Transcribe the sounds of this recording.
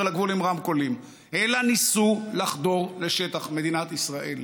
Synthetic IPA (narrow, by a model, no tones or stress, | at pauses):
laɡvulimʁamkolim | elanisulaχd̪o̞ʁle̞ʃe̞t̪aχme̞d̪inat̪isʁaʔel